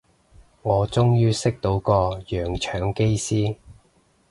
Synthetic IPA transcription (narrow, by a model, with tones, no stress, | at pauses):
ŋɔː˨˧t͡sʊ˥ŋjyː˥sɪ˥k̚t̪o˨˥wkɔː˧jœː˨˩ŋt͡ʃʰœː˨˥ŋke˥jsiː˥